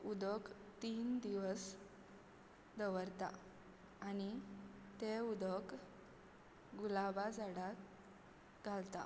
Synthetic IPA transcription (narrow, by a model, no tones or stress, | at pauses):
ud̪əkt̪iːnd̪iʋəs | d̪əʋəɾt̪a̰ː | nit̪eud̪ək | ɡulabad͡zaɽa | ɡʱalt̪a̰